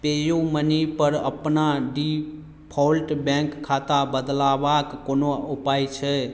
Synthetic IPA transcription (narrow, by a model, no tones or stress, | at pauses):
pejomənipəɾə̰pnaɖi | pʰɔlʈbɛ̃ŋkkʰːat̪abəd̪labakːonoupajt͡ʃʰɛ